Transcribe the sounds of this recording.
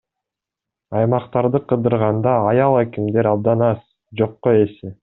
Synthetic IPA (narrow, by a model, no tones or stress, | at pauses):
ɑjmɑqt̪ɑɾd̪ɯqʰɯd̪ɯɾʁɑnd̪ɑːjɑlˠækimd̪e̞ɾɑb̚d̪ɑnɑs | d͡ʒo̞qːoe̞si